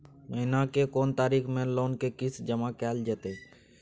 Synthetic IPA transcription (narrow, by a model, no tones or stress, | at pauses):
məɦɪnakekoːnt̪aːɾiːkʰmẽloːnkekɪsd͡ʒəmakɛːld͡ʒɛːt̪e